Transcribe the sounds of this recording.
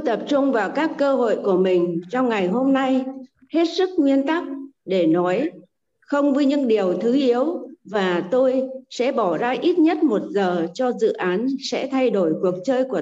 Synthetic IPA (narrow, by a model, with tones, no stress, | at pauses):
jt̪ə˨˩p̚t͡ɕʊ˧ŋ͡mvaː˨˩wkaː˦˥kːəː˧ɦo̰˧˨jku˧˩əmï˨˩ŋ̟t͡ɕɔ˧wŋ͡mŋa˨˩jɦo˧mna˧j | he˦˥t̚sɨ˦˥k̚ŋwi˧ənt̪a˦˥k̚ɗe˧˩nɔ˨˦j | xə˧wŋ͡mvi˧ɲɨ̰˧˥ŋɗi˨˩əwt̪ʰɨ˨˦ʔi˨˦əwvaː˨˩t̪o˧jsɛ̰˧˥ɓɔ˧˩zaː˧ʔi˦˥t̚ɲə˦˥t̚mo˨˩t̚zəː˨˩t͡ɕɔ˧zɨ̰˧˨ʔaː˨˦nsɛ̰˧˥t̪ʰa˧jɗo˧˩jku˨˩ək̚t͡ɕəː˧jku˧˩ə